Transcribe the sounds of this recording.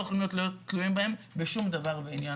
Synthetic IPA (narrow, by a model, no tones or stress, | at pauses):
eχlomijotlojot̪luimbae̞mbeʃumd̪avaʁveinja